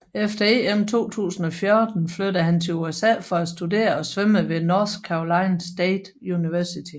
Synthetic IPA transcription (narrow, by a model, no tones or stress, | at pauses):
efd̥ɐe̝ːemt͡sʰo̝̰ːt͡sʰṵːsn̩ɒ̽fjɒɐd̥n̩flød̥əɦænt͡sʰe̝luesɛ̰ːfɒ̽æsd̥ude̝̰ːɐɒ̽sʋeməʋe̝nɒskʰːɑolɑ̈ɪnsd̥eːd̥ | uniʋæɐsit͡sʰi